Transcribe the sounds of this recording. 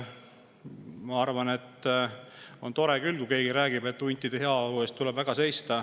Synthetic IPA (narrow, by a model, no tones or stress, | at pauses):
mɑɑrvɑne̞t̪ː | ont̪o̞ɾekylkuke̞ːɡiɾæːɡibe̞t̪ːˑunʲt̪ːˑid̪̥e̞he̞ɑolue̞ːst̪t̪ːulɛbvæɡ̥ɑse̞jst̪ɑ